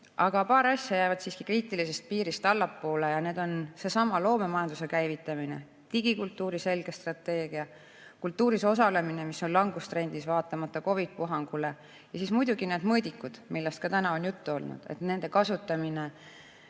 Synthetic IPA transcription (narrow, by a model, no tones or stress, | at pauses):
ʔɑɡ̥ɑpɑːɾɑsʲjɑjæjvɑd̪̥siskikriːt̪ˑilise̞st̪̚piːɾist̪ɑlːɑpːo̞ːle̞jɑne̞ːd̪̥o̞nse̞sɑmɑlo̞ːme̞mɑjɑnd̪use̞kæjvit̪ːˑɑminḛ | t̪iɡ̥ikult̪ːˑuːɾise̞lɡ̥e̞st̪rɑt̪ːe̞ːɡ̥iɑ | kult̪ːuːɾiso̞sɑle̞mine̞miso̞nlɑŋɡust̪ɾe̞nʲd̪̥isvɑːt̪ːˑɑmɑt̪ːˑɑko̞vit̪̚puɦɑŋɡ̥ule̞ | jɑsismujd̪̥uɡine̞ːd̪mɤːd̪̥ʲikːˑud̪̥milːest̪kɑt̪ænɑo̞njut̪ːuo̞lnṵd̪̥ḛt̪ne̞nd̪e̞kɑsut̪ːˑɑmine̞